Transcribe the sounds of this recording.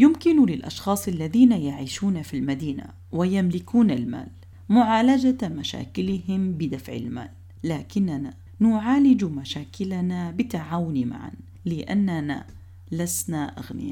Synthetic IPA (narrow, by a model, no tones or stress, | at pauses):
jʊmkɪnlɪlʔɑ̰ʃxɑːsˤʔalːaðiːnajaʕiːʃuːnafilmad̪iːna̰ | wɪjamlɪkuːnalma̰ːl | mʊʕaːlad͡ʒamaʃa̰ːkɪlɪɦɪmbɪd̪afʕɪ̰lma̰ːlː | aːkɪnːana | nʊʕaːlɪd͡ʒumaʃaːkɪlanabɪt̪aʕaːwʊnma̰ʕa̰n | lɪʔanːana̰ | lasnaʔa̰ɣnɪ̰ja